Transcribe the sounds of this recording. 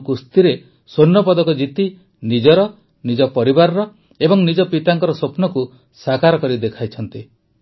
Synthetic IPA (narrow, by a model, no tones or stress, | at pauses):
kust̪iɾe | sonːɔpɔd̪ɔkɔd͡ʒit̪i | nid͡ʒɔɾɔ | nid͡ʒɔpɔɾibaɾɔɾɔ | ebɔŋnid͡ʒɔpit̪aŋkɔɾɔsopnɔku | sakaɾɔkɔɾid̪ekʰajt͡ʃʰɔnt̪i